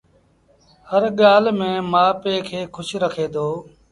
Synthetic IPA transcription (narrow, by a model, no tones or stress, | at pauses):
həɾɠaːlmẽːmaːpeːkʰeːkʰʊʃɾəkʰeːd̪oː